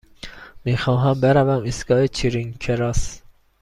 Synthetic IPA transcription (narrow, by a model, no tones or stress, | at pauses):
miːxɒːɦæmbeɾævæmisɡɒːet͡ʃʰiɾiŋkʰeɾɒːs